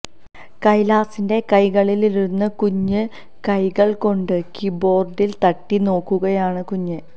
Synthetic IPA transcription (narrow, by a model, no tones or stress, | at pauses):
kɐjlaːsinde̞kɐjɣɐɭililiɾunːɐkuɲːɨ | kɐjɣɐɭko̞ɳɖɨkibo̞ːrɖilt̪ɐʈːino̞ːkːuɣɐjaːɳɨkuɲːɨ